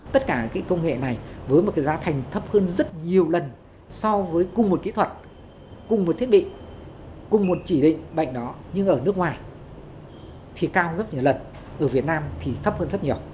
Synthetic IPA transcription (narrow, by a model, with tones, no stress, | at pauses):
t̪ə˦˥t̚kaː˧˩kaː˨˦jkə˧wŋ͡mŋḛ˧˨na˨˩jvəː˨˦jmo˨˩kaː˨˦zaː˨˦˥t̪ʰa˨˩jŋ̟t̪ʰə˦˥p̚həː˧nzə˦˥t̚ɲi˨˩əwlə˨˩n | sɔ˧vəː˨˦jkʊ˨˩ŋ͡mmo˨˩t̚kḭ˧˥t̪ʰwə˨˩t̚ | kʊ˨˩ŋ͡mmo˨˩t̪ʰi˦˥t̚ɓḭ˧˨ | kʊ˨˩ŋ͡mmo˨˩t̚t͡ɕi˧˩ɗḭ˧˨ŋ̟ɓa̰˧˨jŋ̟ɗɔ˨˦ɲɨ˧ŋʔəː˧˩nɨ˦˥əkŋwaː˨˩j | t̪ʰi˨˩kaː˧wŋə˦˥p̚ɲi˨˩wlə˨˩n | ʔəː˧˩vi˨˩ət̚naː˧mt̪ʰi˨˩t̪ʰə˦˥p̚həː˧nzə˦˥t̚ɲi˨˩əw